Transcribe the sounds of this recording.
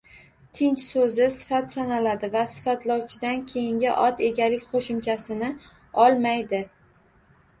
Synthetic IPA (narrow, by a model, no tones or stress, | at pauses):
t̪ʰɪnt͡ʃsɵzɪsɪ̥fat̪sanalad̪ɪvasɪ̥fat̪lɒwt͡ʃʰɪd̪ankʲʰe̞jɪŋɡʲɪʔɒt̪e̞ɡʲalɪkʲqʰoʃɪmt͡ʃʰasɪnɪ | ɒlˠmajd̪ɪ